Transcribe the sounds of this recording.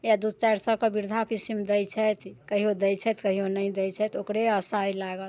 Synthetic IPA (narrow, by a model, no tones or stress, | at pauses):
jad̪ud̪̚t͡ʃajɾsəkəbiɾd̪ʱapisimd̪əjt͡ʃʰɛt̪kəɦiod̪əjt͡ʃʰɛt̪kəɦionəid̪əjt͡ʃʰɛt̪okɾeəsajlaɡəl